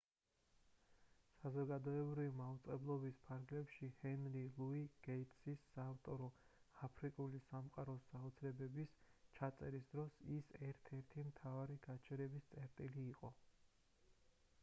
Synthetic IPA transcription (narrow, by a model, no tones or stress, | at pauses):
sazɔɡad̪ɔɛbɾivimaut̪sʼqʼɛblˠɔbispʰaɾɡlɛpʃihɛnɾilˠuiɡ̥ɛit̪ʼsisːaːft̪ʼɔɾɔapʰɾikʼulisamqʼaɾɔsaɔt̪sʰɾɛbɛbist͡ʃʰat̪sʼɛɾisd̪ɾɔsisɛɾt̪ʰɛɾt̪ʰimt̪ʰavaɾiɡat͡ʃʰɛɾɛbist̪sʼɛɾt̪ʼiliːqʼɔ